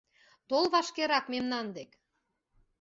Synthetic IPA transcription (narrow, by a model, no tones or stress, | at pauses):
t̪olˠβɑʃkeɾɑkmemnɑnd̪ek